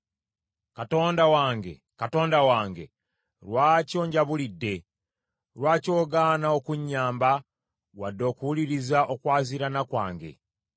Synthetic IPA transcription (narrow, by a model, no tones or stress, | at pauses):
kato̞ːndawaːŋɡḛ | kato̞ːndawaːŋɡe̞̰ | ɾwaco̞ːɲɟaβulidːe̞ | ɾwaːco̞ːɡanao̞kuɲːaːmba | wadːo̞ːkuwuliɾizaʔo̞kwaːziɾanakwa̰ːŋɡe̞̰